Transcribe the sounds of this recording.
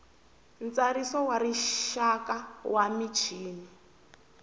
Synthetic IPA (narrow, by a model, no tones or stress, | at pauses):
nt͡saɾisɔwaɾiʃakawamit͡ʃʰiːni